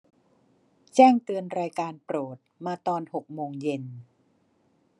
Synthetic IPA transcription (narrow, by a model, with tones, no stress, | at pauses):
t͡ɕɛː˥˩ŋt̪ɯ˧ənɾaː˧jkaː˧npɾoː˨˩t̪̚maː˧t̪ɔː˧nho˨˩k̚moː˧ŋje˧n